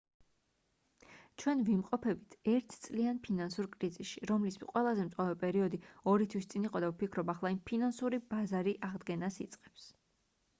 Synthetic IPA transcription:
t͡ʃʰwɛnvimqʼɔpʰɛbit̪ʰɛɾt̪ʰt̪sʼlianpʰinansuɾkʼɾizisʃiɾɔmlismqʼwɛlˠazɛmt̪sʼavɛpʼɛɾiɔd̪iɔɾit̪ʰwist̪sʼiniqʼɔd̪avpikʰɾɔbaχlˠaimpʰinansuɾibazaɾiʔaʁd̪ɡɛnasit̪sʼqʼɛ̥ps

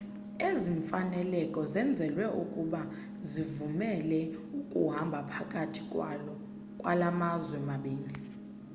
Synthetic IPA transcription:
eziɱfanɛlɛkʼɔzɛnd͡zʱɛlwɛʔukʼuɓa | zivumɛlɛukʼuɦambʱapʰakʼatʰi̥kʼwalɔ | kʼwa̰lamazwɛmaɓiːli

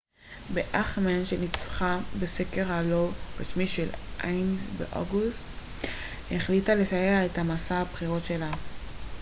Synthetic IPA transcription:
beʔaχmenʃelit͡sχabeseke̞ʁaloɡosmiʃelʔajnzbḛʔo̰ɡust | heχlitale̞sajeaethamasaabχiʁo̞tʃe̞la

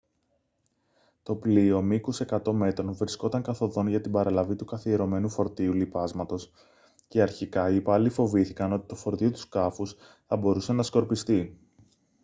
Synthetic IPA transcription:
t̪o̞plio̞mikuse̞kɐt̪o̞me̞t̪ɾo̞nvɾisko̞t̪ɐŋkɐθo̞ðo̞nʝɐt̪ibɐɾɐlɐvit̪ukɐθieɾo̞me̞nufo̞ɾt̪iulipɐzmɐt̪o̞s | ce̞ɐɾçikɐipɐlifo̞viθikɐno̞t̪i̥t̪o̞fo̞ɾt̪iot̪u̥skɐfus | θɐbo̞ɾuse̞nɐsko̞ɾpist̪i

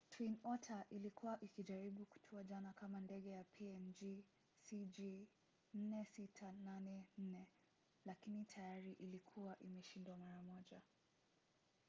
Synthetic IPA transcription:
tʰwinɔtʰaʔilikuwaʔikiʄaɾiɓuku̥tʰuaʄanakamandɛɠɛjapʰiɛnd͡ʒi | sid͡ʒi | n̩nɛsitʰananɛn̩nɛ | lakinitʰajaɾiʔilikʰuaʔimɛʃindwamaɾamɔʄa

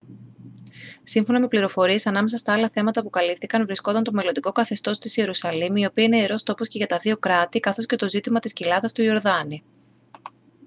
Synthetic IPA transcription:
siɱfo̞nɐme̞pliɾo̞fo̞ɾie̞sɐnɐme̞sɐst̪ɐɐlɐθe̞mɐt̪ɐpukɐlipθikɐnvɾisko̞t̪ɐnt̪o̞me̞lond̪iko̞kɐθe̞st̪o̞st̪ise̞ɾusɐlimio̞piɐineeɾo̞st̪opo̞sce̞ʝɐt̪ɐðio̞kɾɐt̪ikɐθo̞sce̞t̪o̞zit̪imɐt̪iscilɐðɐst̪uio̞ɾðɐni

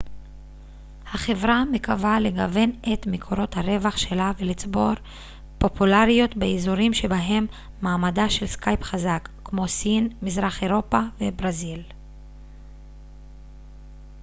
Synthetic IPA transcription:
haχe̞vʁamekavale̞ɡave̞net̪mekʰo̞ɾo̞t̪haʁe̞vaχʃe̞lavelit͡sbo̞ɾ | po̞pulaʁijo̞t̪beizuʁimʃe̞baɦe̞mː | aːmadaʃe̞lskajpχazakːmo̞sinmizʁaχe̞ʁo̞pave̞bʁazil

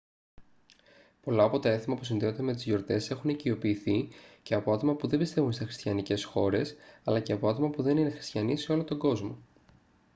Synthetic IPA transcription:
po̞lɐːpo̞t̪ɐe̞θimɐpu̥sinðeod̪emet̪izʝo̞ɾt̪e̞se̞xunicio̞piːθice̞ɐpo̞ɐt̪o̞mɐpuðe̞mbist̪e̞vunst̪isxɾist̪çjɐnice̞sxo̞ɾe̞sɐlɐce̞ɐpo̞ɐt̪o̞mɐpuðe̞nine̞xɾi̥st̪çjɐniseo̞lot̪o̞ɡo̞zmo̞

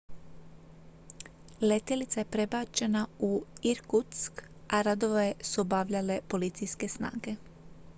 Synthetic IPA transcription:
le̞t̪elit̪sajepɾe̞baːt͡ʃe̞nauiɾkut̪sk | aɾad̪o̞ʋesubaʋʎale̞po̞lit̪sijske̞sna̰ːɡe̞

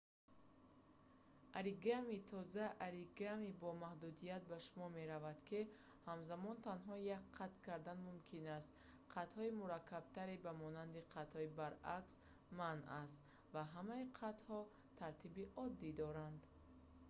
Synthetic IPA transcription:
ʔaɾiɡamit̪ʰɔzaʔaɾiɡamibɔmahd̪ud̪ijat̪̚baʃumɔme̞ɾavad̪kʰi | hamzamɔnt̪ʰanɦɔjakqʰːat̪kʰaɾd̪anmumkʰinast̪ | qʰat̪hɔimuɾakʰːab̥̚t̪ʰaɾebamɔnand̪iqʰat̪hɔibaɾaks | manast̪ | vaɦamaiqʰat̪hɔ | t̪ʰaɾt̪ʰibiʔɔd̪ːid̪ɔɾand̪

